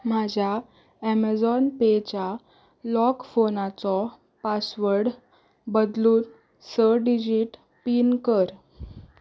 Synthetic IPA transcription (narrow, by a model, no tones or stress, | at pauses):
mad͡ʑʱja | ɛmad͡zɔnpet͡ɕja | lɔkfonat͡sɔ | pasʋəɾɽ | bəd̪luːn | səɖid͡ʑiʈ | piːnkəɾ